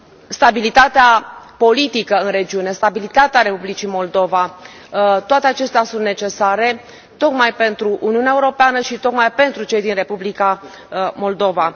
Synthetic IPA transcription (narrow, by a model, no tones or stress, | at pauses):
st̪abilit̪at̪eapo̞lit̪ikəɨnɾe̞d͡ʒiune̞st̪abilit̪at̪eaɾe̞publit͡ʃimo̞ld̪o̞va | t̪oat̪eat͡ʃe̞st̪easunt̪net͡ʃe̞saɾe̞ | t̪o̞kmajpe̞nt̪ɾuʔuniuuneaeuɾo̞peanəʃit̪o̞kmajpe̞nt̪ɾut͡ʃe̞jd̪inre̞publika | mo̞ld̪o̞va